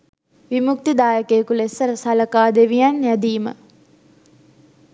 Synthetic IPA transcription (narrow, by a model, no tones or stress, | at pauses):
ʋimuk̚t̪id̪aːjəkeːkulesəsaləkaːd̪eʋijanjad̪iːmə̰